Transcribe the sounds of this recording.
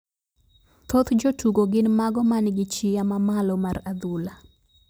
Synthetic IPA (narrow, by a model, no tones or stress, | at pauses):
t̪ot̪d͡ʒotuɡoɡɪnmaɡɔmanɡɪt͡ʃɪjamamalɔmarad̪ula